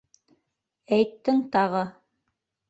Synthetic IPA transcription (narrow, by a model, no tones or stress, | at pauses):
æjt̪ːɘŋt̪ɑʁɤ